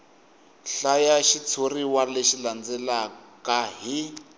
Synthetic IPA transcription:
ɬajaʃit͡sʰoriwaleʃiland͡zɛlakaɦi

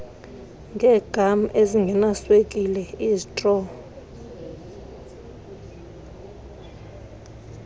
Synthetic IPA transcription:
ŋɡʱɛːɡ̥ʱam̩ʔeziŋɡʱɛnaswekʼilɛizitʼrɔ

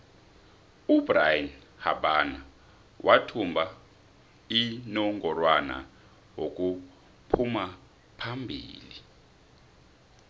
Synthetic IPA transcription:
ubrajin | ha̰ɓana | wʔatʰumbʱa | inɔŋɡɔrwana̰ | wok̬ʼu | pʰuma | pʰambʱḭːli

